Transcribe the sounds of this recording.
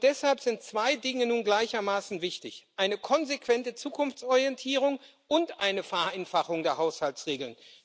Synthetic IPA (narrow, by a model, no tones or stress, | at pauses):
d̥ɛshalpz̥ɪntt͡sv̥aɪdɪŋənuːnɡlaɪçɐmaːsn̩vɪçtɪçʔaɪnəkʰɔnzekv̥ɛntət͡suːkʰʊnft͡sɔʁijɛntʰiːʁ̞ʊŋ | ʔʊntʔaɪnəfɛɐʔaɪnfaχʊŋdeːɐɦaʊshaltsʁeːɡl̩n